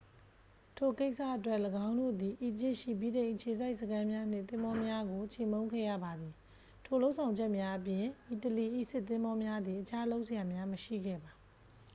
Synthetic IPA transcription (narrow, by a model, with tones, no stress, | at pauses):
tʰo˨ke˦ɪʔsa̰˦˨ʔətwɛ˦ʔləɡã˦ʊ̃ndo̰˦˨d̪i˨ʔi˨d͡ʑɪ˦ʔʃḭ˦˨bi˦˨ɾẽ˨ɪ̃ʔət͡ɕʰe˨za˦ɪʔsəkʰã˦mja˦n̥ɪ̃˦˨t̪ɪ̃˦mbɔ˦mja˦ɡo˨t͡ɕʰe˨mõ˦ʊ̃ŋkʰɛ̰˦˨ja̰˦˨ba˨d̪i˨ | tʰo˨lo˦ʊʔsʰã˨ʊ̃ɲd͡ʑɛ˦ʔmja˦ʔəp̬jɪ̃˨ʔi˨təli˨ʔḭ˦˨sɪ˦ʔt̪ːɪ̃˦mbɔ˦mja˦d̪ði˨ʔət͡ɕʰa˦lo˦ʊʔsə˨ja˨mja˦məʃḭ˦˨ɡɛ̰˦˨ba˨